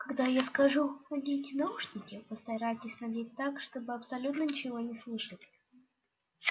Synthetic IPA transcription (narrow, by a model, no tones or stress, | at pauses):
kɐɡd̪ajaskɐʐuxɐdʲetʲnauʂnʲɪkʲɪpəst̪ɐɾajtʲɪsʲnɐdʲet̚ʲt̪akʂt̪o̞bɨɐpsɐlʲut̪nənʲɪt͡ɕɪvo̞nʲɪslˠɨʂətʲ